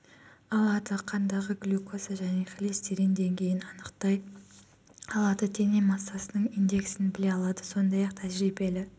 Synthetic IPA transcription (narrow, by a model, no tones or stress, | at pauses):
ɑlˠɑd̪əqʰɑnd̪ɑʁəɡlukʰosaʒæne̞χlest̪eɾɪnd̪e̞ŋɡʲe̞jɪnɑnəqt̪ɑj | ɑlˠɑd̪ət̪ʰe̞nemɑsːɑsənəɴijnd̪e̞ksɪnbɪle̞ɑlˠɑd̪əso̞nd̪ɑjɑqt̪ʰæʒɾibe̞lɪ